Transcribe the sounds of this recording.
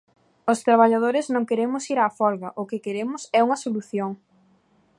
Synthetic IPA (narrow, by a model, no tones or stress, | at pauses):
ʊst̪ɾaβ̞aʎað̞oɾɪznõŋkeɾemʊsiɾaːfɔlɣɐʔʊkɪkeɾemʊsɛuŋɐsoluθjoŋ